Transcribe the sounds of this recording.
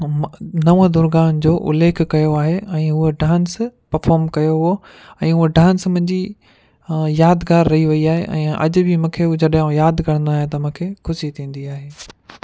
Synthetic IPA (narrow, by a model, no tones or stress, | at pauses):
nɐʋõd̪ʊɾɡaːnd͡ʑoːʔʊ̰leːkʰkɐjoaːɦeɛ̃ːɦʊɦeɖãːnspɐɾfaːɾmkɐjoɦo | ɛ̃ːɦʊoɖaːnsmʊ̃ɦɪ̃ɲd͡ʑi | jaːd̪ɡaːɾːɐɦiʋɐiaːɦeʔɛ̰̃ːʔɐ̰d͡ʑʊ̆bʱimũːkʰeʊd͡ʑɐɗũjaːd̪kɐɾ̃nd̪oaːɦj̃t̪ɐmʊ̃kʰeːxʰʊʃit̪ʰĩːn̆d̪iaːɦeː